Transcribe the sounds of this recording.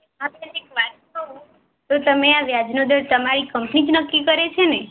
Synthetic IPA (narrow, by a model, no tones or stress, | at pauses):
ɦãtenekʋat̪̚kəɦũ | t̪ot̪əmeaʋjad͡ʒnod̪əɾt̪əmaɾikəmpnid͡ʒnəkːikəɾet͡ʃʰene